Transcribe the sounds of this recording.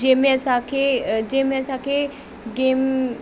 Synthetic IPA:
d͡ʒeːmẽɐsãkʰed͡ʒeːmẽɐsãkʰe | ɡeːm

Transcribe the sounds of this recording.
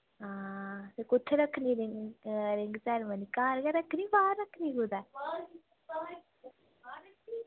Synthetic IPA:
ɦãːsekʊt͡ʃʰɾəkʰnĩːɾɪŋɡɾɪŋɡt͡ʃɛːɾmənikaːɾɡaɾəkʰniːbaːɾəkʰːnĩːɡud̪aː

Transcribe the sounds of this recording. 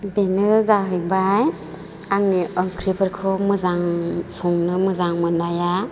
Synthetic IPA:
benɯzaɦɯjbaj | aŋniɯŋkʰɾipʰɯɾkʰɯmɯzaŋsɔŋnɯmɯzaŋmɯnaja

